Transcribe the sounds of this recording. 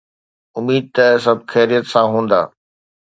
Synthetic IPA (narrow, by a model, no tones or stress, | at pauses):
ʊmiːd̪̚t̪ɐsɐb̚ʱxɛːɾijət̪sãɦũːnd̪a̰ː